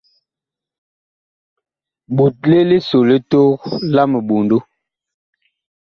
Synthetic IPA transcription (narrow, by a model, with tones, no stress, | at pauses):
ɓu˨t̚le˦li˦so˨li˦to˦ɣla˦mə˨ɓu˨ndu˦